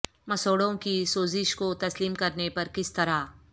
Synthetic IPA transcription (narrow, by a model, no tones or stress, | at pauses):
mɐsoːɽõkisoːzɪʃkot̪ɐsliːmkɐɾnepɐɾkɪst̪ɐɾaː